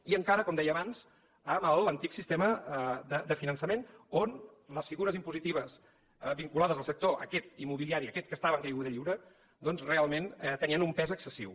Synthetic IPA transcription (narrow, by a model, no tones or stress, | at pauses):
iəŋkaɾəkɔmd̪ɛjəːβanz̥ | əməlˠənt̪iksist̪eməd̪əd̪əfinənsəmenonləsfiɣuɾəzimpuzit̪iβ̞əs | biŋkulaðəzəlˠsək̚t̪oʔə̰kɛt̪imːuβiliaɾiəkɛt̪̚kəst̪aβəŋkəjɣuðəʎiwɾə | d̪ɔnzrealˠmenɛt̪əniənumpɛzəksəsḭw